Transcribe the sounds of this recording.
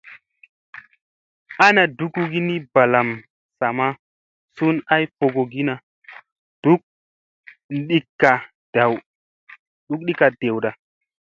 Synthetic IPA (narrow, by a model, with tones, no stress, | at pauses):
a˦na˨du˨˦kːu˦ɡi˦ni˦ba˨la˨m | sa˨ma˦ | su˦na˦jfo˧ɡo˨ɡi˦na˨ | d̥u˦k̚ | ɗi˦kːa˨ | d̥a˨w | ɗu˨˦k̚ɗi˦ka˨d̥e˨wɗa˨